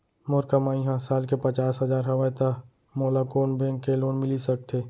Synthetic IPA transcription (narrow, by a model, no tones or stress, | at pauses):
mʊɾkəmaːĩɦãsaːlkepət͡ʃaːsɦɐzaːɾɦɐʋaːt̪a | moːlakoːnbɛ̃ːŋkːeloːnmɪlisɐk̚t̪ʰeː